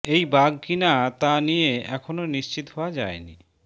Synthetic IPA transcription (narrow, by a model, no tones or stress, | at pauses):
ejbaɡkinat̪anijeɛkʰononiʃt͡ɕit̪oɦɔoad͡ʑaenḭ